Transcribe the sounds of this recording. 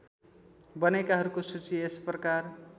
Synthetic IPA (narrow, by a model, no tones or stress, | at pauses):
bʌnekaɦʌɾukosut͡siesprʌkar